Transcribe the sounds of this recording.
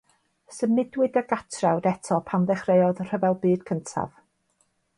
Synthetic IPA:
səmɪdwɪdəɡatʰrawdɛtʰɔpʰanðɛχrejɔðr̥əvɛlˠbɨːd̥kʰəntʰa̰v̥

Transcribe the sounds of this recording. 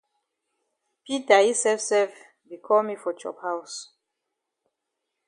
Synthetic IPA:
pitahisɛfsɛlf | bikʰɔlmifɔt͡ʃɔ̰phaws

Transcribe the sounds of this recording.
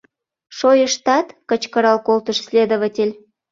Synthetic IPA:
ʃojəʃt̪ɑt̪kə̆t͡ɕkəɾɑlkolt̪əʃsʲlʲed̪oβatʲelʲ

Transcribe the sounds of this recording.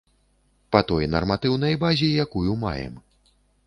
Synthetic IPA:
pɐt̪ɔjnɐ̰rmat̪ɨwn̪ɐjbazʲijakujuma̰jɛ̰m

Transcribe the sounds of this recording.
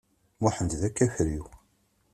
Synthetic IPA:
mʊħənd̪ðækːæçɾiw

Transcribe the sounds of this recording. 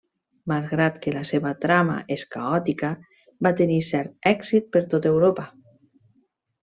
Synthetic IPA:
malˠɣɾat̪kəlaseβət̪ɾama̰ʔeskaɔt̪ikə | bat̪enisɛɾt̪̚ɛksit̪̚pəɾt̪ot̪ewɾopə

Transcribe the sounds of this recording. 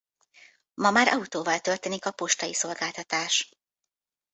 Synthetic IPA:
mɒmaːɾʔɒ̰ut̪oːvɒlt̪ølt̪eːnikɒpo̞ʃt̪ɒjiso̞lɡaːlt̪ɒt̪aːʃ

